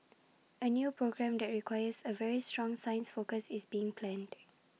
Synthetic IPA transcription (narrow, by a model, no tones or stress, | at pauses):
ənjuːpɹoɡɹɛ̃md̪ɛt̚ɹikwajəsəvɛɹistɹɔ̃ŋsaɪə̃nsfokəsisbiɪ̃ŋpʰlɛ̃nd